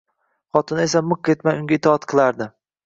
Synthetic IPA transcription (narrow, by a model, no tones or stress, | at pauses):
χɒt̪ʰɪnae̞samɨq̚ːʰʲet̪majʊŋɡʲaɪt̪ɒɒt̪qʰɨlˠaɾd̪ɪ